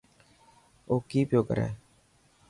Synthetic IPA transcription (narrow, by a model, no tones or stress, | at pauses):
okiːpjoːkə̰ɾɛ̰